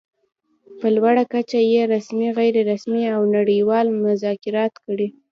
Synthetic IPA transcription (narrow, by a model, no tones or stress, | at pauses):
pəlwaɽakat͡ʃajeɾasmiɣajɾeɾasmiawnaɽəjwɑlmʊzɑkɪɾɑt̪kəɽi